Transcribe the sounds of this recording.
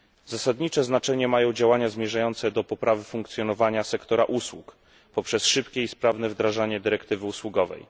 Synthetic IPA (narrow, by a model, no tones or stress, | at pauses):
z̥asad̪ɲit͡ʂɛznat͡ʂɛɲɛmajɔ̃w̃d͡ʑawaɲazmʲjɛʐajɔnt̪sɛd̪ɔpɔpɾʔavɘfuŋk̚t̪sʲjɔnɔvaɲasɛkt̪ɔɾa̰ʔuswuk | pɔpʂɛsʂɘpkʲɛispɾavn̪ɛvd̪ɾaʐaɲɛd̪ɘɾɛkt̪ɘvɘuswuɡɔvɛ̰j